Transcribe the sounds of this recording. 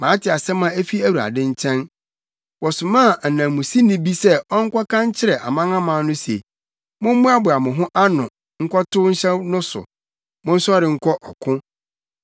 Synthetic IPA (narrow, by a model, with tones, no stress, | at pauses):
mãː˨˦tʰɪ˨a˨sɛ˦mã˦e˦fi˦æ˦wu˨a̰˨dɪ̃˦ɲ̩˦t͡ɕʰɛ̃˦n | wɔ˨sʊ˨mã˦˨nã˨mũ˨si˦nɪ̃˦bi˦sɛ˦ɔ˦ŋ̩˦kʷʰɔ˦kã˦ɲ˦t͡ɕʰɪ˦ɾɛ˨ʔa̰˨mã˦ŋã˦mã˨˦nʊ̃˦se˨ | mʊ̃˦m̩˦mʊ̃˦a˦bʊ˨a˨mʊ̃˨ɦʊ̃˦ʔa˦nʊ̃˨ | ŋ̩˦kʰɔ˦tʊ˦ɲ̩˦ɕɛ˦nʊ̃˦sʊ̰˨ | mʊ̃˦n̩˦sʊ˦ɔ˦ɾɪ̃˨ŋ̩˦kʰɔ˦ʔɔ˨kʰʊ̃˦